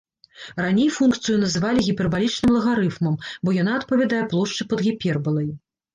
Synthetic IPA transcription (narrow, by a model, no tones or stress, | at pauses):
ranʲejfunkt̪sɨjunɐzɨvalʲiɣʲipʲɛrbalʲit͡ʂnɨmlˠɐɣaɾɨfmɐmbɔjanaːt̪pɐvʲad̪ajɛplˠɔʂt͡ʂɨpɐd̪ɣʲipʲɛrbɐlˠɐj